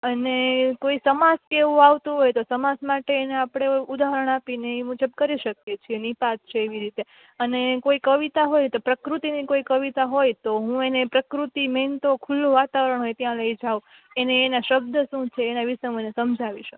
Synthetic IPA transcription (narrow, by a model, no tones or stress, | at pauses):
ənekoisəmaskeʋũaʋt̪ũɦojt̪osəmasmaʈeːneapɽ̃eud̪aɦəɾəɳ̃apineimud͡ʒəbkəɾiʃəkjet͡ʃʰienipat̪̚t͡ʃʰeːʋiɾit̪e | ənekoikəʋit̪aɦojt̪opɾəkɾut̪inikoikəʋit̪aɦojt̪oɦũenepɾəkɾut̪iment̪okʰulːoʋat̪aʋəɾəɳɦojt̪jãləid͡ʒaʋũ | eneːnaʃəbd̪ʱəʃũt͡ʃʰeːnaʋiʃeɦũenesəmd͡ʒʱaʋiʃək